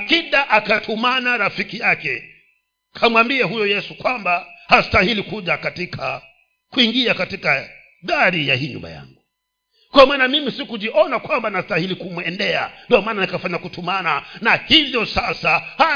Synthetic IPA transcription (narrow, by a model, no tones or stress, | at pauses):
kiɗaʔakatʰumanaɾafikijakɛ | kʰamwambiɛɦujɔjɛsukwambahastahilikuʄakatikʰa̰ | kuiŋɡiakatika | ðaɾijahiːɲṵmba̰ja̰ŋɡu | kwamaːnamimisikuʄiʔɔnakwambanastahilikumwɛndɛa̰ndiɔmaːnanikafaɲakutumananahivjɔsasaha